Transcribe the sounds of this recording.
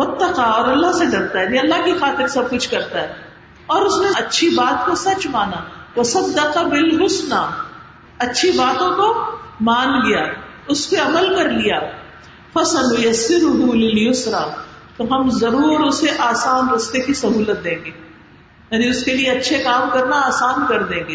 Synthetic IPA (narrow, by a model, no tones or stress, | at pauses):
wʊt̪ːɐqaɔːɾɐlːaɦseɖɐɾt̪aɦɛnĩɐlːaɦkixaːt̪ɪɾsɐb̚kʊt͡ʃʰkɐɾt̪aɦɛː | ɔːɾʊsneɐtːʃʰibaːt̪̚kosɐt͡ʃmaːnaːwɐsɐd̪ːɐqabɪlɦʊsnaː | ɐtːʃʰibaːt̪õkomaːnɡɐjaː | ʊskeɐməlkɐɾlijaː | fɐsɐnʊjɐsːɪɾʊɦulɪljʊsɾaː | t̪oɦɐmzɐɾuːɾʊseʔaːsaːnɾʊst̪ekisɐɦuːlət̪̚d̪ẽːŋɡeː | jaːniʊskelieɐtːʃʰekaːmkɐɾnaaːsaːnkɐɾd̪ẽːŋɡeː